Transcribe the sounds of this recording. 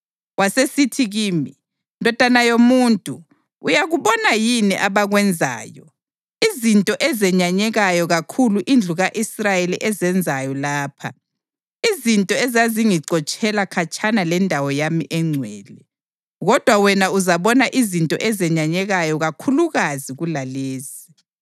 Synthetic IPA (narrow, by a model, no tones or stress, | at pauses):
wasesitʰiɣiːmi | ndʱɔd̥ʱanajomuːntʼu | ujaɣuβɔnajiniʔaβaɣwɛnd͡zʱa̰ːjɔ | izintʼɔʔɛzɛɲaɲɛɣajɔɣakʰuluʔind͡ɮʱuɣaʔisrajeliʔɛzɛnd͡zʱajɔlaːpʰa̰ | izintʼɔɛzaziŋiǀɔt͡ʃʼɛlakʰat͡ʃʼʰanalɛndʱawɔjamiʔɛŋ͡ǀʱwɛːlɛ | ɣɔd̥ʱwawɛnauzaβɔnaʔizintʼɔ̰ʔɛzɛɲaɲɛɣajɔɣakʰuluɣaziɣulaleːzi